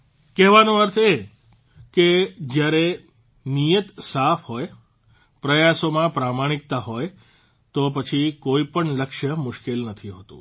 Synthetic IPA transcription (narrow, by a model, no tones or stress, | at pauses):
kɛɦʋanõəɾt̪ʰe | ked͡ʒjaɾe | nijət̪safʰɦoj | pɾəjasomãpɾamaɽ̃ik̚t̪aɦoj | t̪opət͡ʃʰikoipəɳləkʃəmʊʃkelnət̪ʰiɦoːt̪ṵ̃